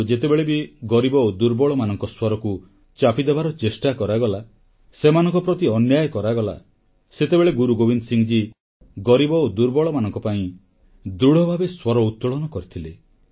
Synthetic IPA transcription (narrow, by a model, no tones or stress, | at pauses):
d͡ʒet̪ebeɭebiɡɔɾibɔod̪uɾbɔɭɔmanɔŋkɔswɔɾɔku | t͡ʃapid̪ebaɾɔt͡ʃesʈakɔɾaɡɔla | semanɔŋkɔpɾɔt̪iɔnjajɔkɔɾaɡɔla̰ | set̪ebeɭeɡuɾuɡobind̪siŋd͡ʒi | ɡɔɾibɔod̪uɾbɔɭɔmanɔŋkɔpaĩ | d̪ɾuɽ̤ɔbʱabeswɔɾɔut̪ːɔɭɔnɔkɔɾit̪ʰile